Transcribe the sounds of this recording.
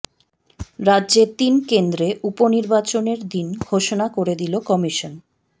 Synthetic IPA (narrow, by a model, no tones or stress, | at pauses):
ɾadːʑet̪inkend̪ɾeʔuponiɾbat͡ɕoneɾd̪inɡʱoʃonakoɾed̪ilokɔmiʃon